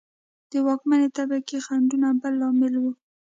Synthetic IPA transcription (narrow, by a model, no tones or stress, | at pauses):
d̪̥əwɑkmanet̪abakexaɳɖunabəlːɑmɪlwu